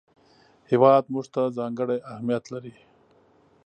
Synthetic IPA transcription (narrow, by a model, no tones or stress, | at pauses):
hɪwɑːd̪muʐt̪azɑːŋɡəɽeʔahmijat̪laɾi